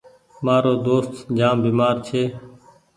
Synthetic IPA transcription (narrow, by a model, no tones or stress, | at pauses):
maːɾoːd̪oːst̪d͡ʒaːmbiːmaːɾt͡ʃʰeː